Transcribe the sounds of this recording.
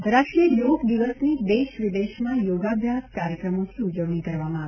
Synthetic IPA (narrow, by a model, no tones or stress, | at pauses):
ɾaʃʈɾijəjoɡd̪iʋəsnid̪eʃʋid̪eʃmãjoɡabʱjaskaɾjəkɾəmot̪ʰiud͡ʒəʋnikəɾʋamãa